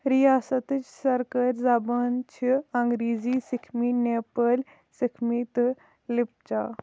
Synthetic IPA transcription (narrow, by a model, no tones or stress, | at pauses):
ɾijaːsɐt̪ɨt͡ʃsɐɾkɐɾʲzaːbɐnt͡ʃʰiɐŋɡɾiːziːsikʰmineːpəl | sikʰmit̪ɨ | lip̚t͡ʃaː